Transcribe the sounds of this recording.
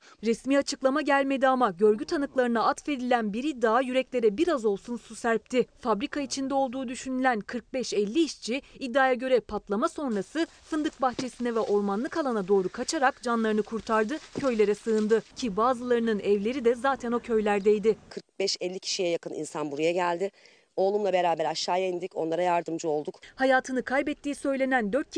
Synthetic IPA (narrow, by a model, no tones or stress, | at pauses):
ɾɛsmiːat͡ʃʰɯklˠamaɟælʲme̞d̪iamaɟø̞ɾɟyt̪ʰanɯklˠaɾɯnaat̪fe̞d̪ilʲænbiɾid̪ːaːjyɾɛclʲe̞ɾɛbiɾazo̞lˠsunsusæɾp̚t̪ʰɪfabɾikʰait͡ʃʰind̪ɛo̞lˠd̪uːd̪yʃynylʲænkʰɯɾk̚bɛʃɛlʲːiːʃt͡ʃʰiːd̪ːaːjaɟø̞ɾɛpʰat̪lˠamaso̞nɾasɯfɯnd̪ɯk̚baxt͡ʃʰe̞sinɛvɛʔo̞ɾmanlˠɯkalˠanad̪o̞ːɾukʰat͡ʃʰaɾakd͡ʒanlˠaɾɯnɯkʰuɾt̪ʰaɾd̪ɯcʰø̞jlʲe̞ɾɛsɯːnd̪ɯcʰibaːzɯlˠaɾɯnɯnɛvlʲe̞ɾid̪ɛzaːt̪ʰæno̞cʰø̞jlʲæɾd̪ɛjd̪ɪkʰɯɾk̚bɛʃɛlʲːicʰi̥ʃijɛjakɯnʔḭnsanbuɾujaɟælʲd̪ɪ | o̞ːlˠumlˠabe̞ɾaːbæɾaʃːaːjaind̪ico̞̰nlˠaɾajaɾd̪ɯmd͡ʒuo̞lˠd̪ukhajaːt̪ʰɯnɯkʰajbɛt̪ʰːiːisø̞jlʲe̞nænd̪ø̞ɾt̪̚